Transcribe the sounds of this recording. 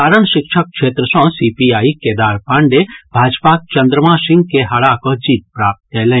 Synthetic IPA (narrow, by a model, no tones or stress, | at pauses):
kaːɾəɳ̃ʃɪkʃʰək̚kʃʰeːt̪ɾəsɔ̃sipiaːiked̪aːɾpãɳɖebʱaːd͡ʒpak̚t͡ʃɐnd̪ɾəmãsɪ̃ŋɡkeɦaɭakɔd͡ʒiːt̪̚pɾaːp̚t̪̚kelẽ